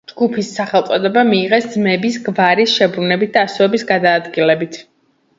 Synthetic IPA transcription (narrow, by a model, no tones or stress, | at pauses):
d͡ʒɡupʰisːaχɛlˠt̪sʼɔd̪ɛbamiːʁɛsd̪zmɛbisɡvaɾisʃɛbɾunɛbit̪̚ʰd̪̥aːsɔvɛbisɡad̪aːd̪ɡilɛbit̪ʰ